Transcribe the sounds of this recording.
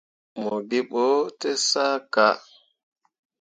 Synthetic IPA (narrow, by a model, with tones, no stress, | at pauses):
mo˨ɡi˦ɓɔ˦tɛ˦sa˦ka˦˨